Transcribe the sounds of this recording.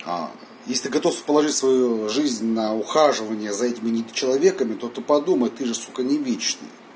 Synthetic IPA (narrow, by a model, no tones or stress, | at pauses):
a̰ | jesʲɪt̪ɨɡɐt̪ofsə̥pəlˠɐʐɨtʲsvɐjuʐɨzʲnʲnɐʊxaʐɨvənʲɪjəzɐɛtʲɪmʲɪnʲɪt͡ɕɪlˠɐvʲe̞kəmʲɪt̪o̞t̪ɨpɐd̪uməjt̪ɨʐɨskokənʲɪvʲet͡ɕnɨ̰j